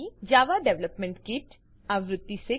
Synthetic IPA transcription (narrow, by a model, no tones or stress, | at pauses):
id͡ʒaːʋaɖɛʋləpmẽɳʈkiʈ | aʋɾʊd̪ːise